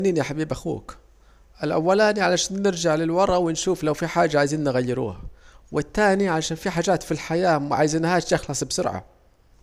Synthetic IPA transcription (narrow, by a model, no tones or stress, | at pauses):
niːnjaħabiːbʔaxṵːk | ʔɪlʔa̰wːalaːniʕalaʃaːnːɪɾd͡ʒaʕlɪlwɑɾˤʔɑwɪnʃuːflawfiħaːd͡ʒːaʕaːjziːnːnɣajːɪɾṵːhawɪt̪ːaːniʕalaʃaːnfiħaːd͡ʒaːt̪filħajaːmʕaːjzinːhaːʃjɪxlɑsˤbsʊɾʕa̰